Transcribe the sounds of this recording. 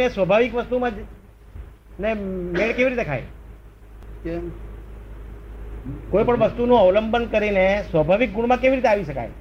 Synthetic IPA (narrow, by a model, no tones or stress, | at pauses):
ẽsʋəbʱaʋikʋəst̪umãd͡ʒ | nemeɭkeʋiɾit̪ekʰa̰j | kojpəɳʋəst̪unũəʋləmbənkəɾinesʋəbʱaʋik̚ɡuɽ̃mãkeʋiɾit̪̬eaʋiʃəka̰j